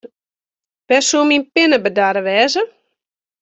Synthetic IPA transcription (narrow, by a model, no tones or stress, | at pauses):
ʋɛsuminpɪnəbədaɾəʋɛːzə